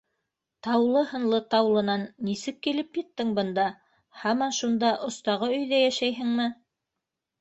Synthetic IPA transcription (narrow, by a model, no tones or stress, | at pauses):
t̪ɑwlˠɤhɤ̆nlˠɤt̪ɑwlˠɤ̆nɑnːisɘkːilɘpjɤ̆t̪ːɘŋbɤ̆nd̪ɑ | hɑmɑnʃund̪ɑʔŏst̪ɑʁɤɵ̆jðæjæʃæjɦɘŋmɘ